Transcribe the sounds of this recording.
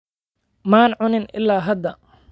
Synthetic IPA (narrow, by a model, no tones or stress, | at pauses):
maːnʕʊnɪnʔɪ̰lːaːɦɐd̪ɐ